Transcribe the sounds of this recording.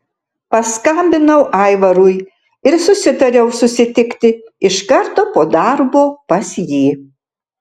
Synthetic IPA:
pɐskɐmʲbʲɪnɐʊʔɑˑɪʋɐɾʊj | ɪɾsʊsʲɪt̪ɐɾʲɛʊsʊsʲɪt̪ʲɪkt̪ʲɪɪʃkɐɾt̪oːpoːd̪ɑɾboːpɐsjiː

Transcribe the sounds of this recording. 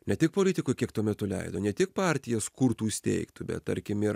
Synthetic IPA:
nʲɛt̪ʲɪk̚poːlʲɪːt̪ʲɪkʊɪkʲiɛkt̪uɔmʲɛt̪ʊlʲɛ̰ɪd̪oːnʲɛt̪ʲɪk̚pɑːˑɾʲt̪ʲɪjɛskʊɾt̪uːɪsʲt̪ʲɛ̰ɪkt̪ʊbʲɛ̰t̪̚t̪ɐɾʲkʲɪmɪɾ

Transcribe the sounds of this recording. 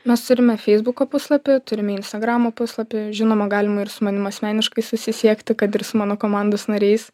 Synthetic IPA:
mʲɛst̪ʊɾʲɪmʲɛfʲɛɪzbʊkoːpʊslˠɐpʲɪt̪ʊɾʲɪmʲɛɪnʲst̪ɐɡɾɑːmoːpʊslˠɐpʲɪʒʲɪnoːmɐɡɑːlʲɪmɐɪɾsʊmɐnʲɪmɐsʲmʲæːnʲɪʃkɐɪsʊsʲɪsʲiɛkt̪ʲɪkɐt̪ɪɾsʊmɑːnoːkoːmɑˑnd̪osnɐɾʲɛɪs

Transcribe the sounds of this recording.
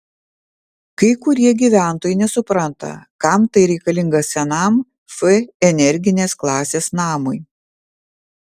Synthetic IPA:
kɐɪkʊɾʲiɛɡʲiːʋʲæˑnˑt̪oːjɛɪnʲɛsʊpɾɐnt̪ɐ̰kɐˑmt̪ɐɪɾʲɛɪkɐlʲɪŋɡɐsʲɛnɐm | fɛɛnʲɛɾʲɡʲɪnʲeːsklˠɑːsʲeːsnɑːmʊj

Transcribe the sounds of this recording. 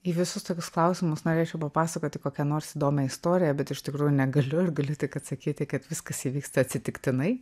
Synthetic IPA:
iːʋʲɪsʊst̪oːkʲʊsklˠɐʊsʲɪmʊsnoːɾʲeːt͡ʃʲɛʊpɐpɑːsɐkoːt̪ʲɪkoːkʲɛnoːrsiːd̪oːmʲɛɪst̪oːɾʲɪjɛbʲɛt̪ɪʃt̪ʲɪkɾuːjʊnʲɛɡɐlʲʊɪrɡɐlʲʊt̪ʲɪkɐt̪sɐkʲiːt̪ʲɪkɐt̪ʋʲɪskɐsiʋʲiːkst̪ɐɐt̪ʲsʲɪt̪ʲɪkt̪ʲɪnɐɪ

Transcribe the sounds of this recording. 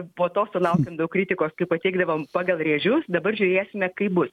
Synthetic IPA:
poːt̪oːsʊlˠɐʊkʲɛmd̪ɐʊkɾʲit̪ʲɪkoːskɐɪpɐt̪ʲɛɪɡd̪ɐʋoːmpɑːɡɐlˠrʲeːʒʲʊsd̪ɐbɐrʒʲʊɾʲeːsʲɪmʲɛkɐɪpbʊs

